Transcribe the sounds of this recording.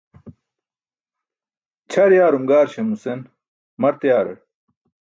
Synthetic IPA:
t͡ɕʰɐɽjaːɾumɡaːɾɕemusen | mɐɾt̪jaːɾɐ̰ɽ

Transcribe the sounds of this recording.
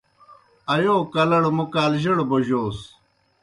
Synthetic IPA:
ɐjoːkɐlɐɽmukaːlʑiɽboʑoːs

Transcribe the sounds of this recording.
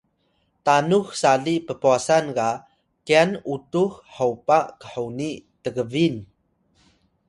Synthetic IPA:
tanuxsaɮipəpuasanka | kianutuħħəwpaʔkə̥ħonitəɡəvin

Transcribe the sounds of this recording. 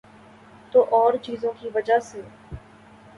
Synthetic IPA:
t̪oːʔɔːɾt͡ʃiːzõːkiʋəd͡ʒaseː

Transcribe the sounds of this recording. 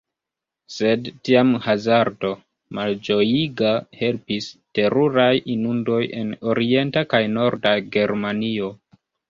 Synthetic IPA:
se̞dtiamhazaɾdo̞ | mald͡ʒo̞jiɡahe̞lpiste̞ɾuɾajinundo̞je̞̰no̞ɾʔie̞ntakajno̞ɾdaɡe̞ɾmanio̞

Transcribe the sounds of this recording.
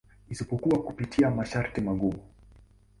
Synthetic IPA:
isipɔkuakupitʰiamaʃaɾtimaɠuː

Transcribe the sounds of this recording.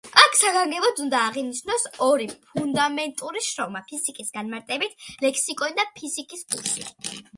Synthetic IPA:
akʰsaɡaŋɡɛbɔd̪und̪aːʁiniʃnɔsɔɾipʰund̪amɛnt̪ʼuɾiʃɾɔmapʰisikʼisɡanmaɾt̪ʼɛbit̪ʰlɛkʰsikʼɔnid̪apʰisikʼispʰulˠʃi

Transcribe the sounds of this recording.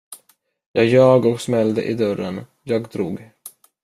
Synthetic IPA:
jɑːɡjɑːɡɔksmɛld̪ə̰ʔɪd̪œɾən | jɑːɡd̪ɾuːɡ

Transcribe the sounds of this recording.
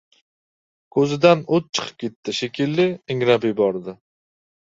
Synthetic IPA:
kʰɵzɪd̪anʊt̪̚t͡ʃʰɨ̥qʰɨ̥p̚kʲʰet̪ːɪʃekʲʰɪlːɪɪŋɾabɪjbɒɾd̪ɪ

